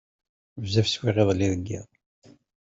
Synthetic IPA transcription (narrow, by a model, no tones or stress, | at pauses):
vzæfswiʁeðˤlːiðəɡːḭð